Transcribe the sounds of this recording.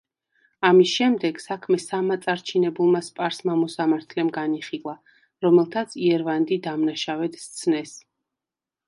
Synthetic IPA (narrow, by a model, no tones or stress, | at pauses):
amisʃɛmd̪ɛɡ̥sakʰmɛsamat̪sʼaɾt͡ʃʰinɛbulˠmaspʼaɾsmamɔsamaɾt̪ʰlɛmɡaniχilˠa | ɾɔmɛlˠt̪ʰat̪sʰiɛɾvand̪id̪amnaʃavɛd̪st̪sʰnɛs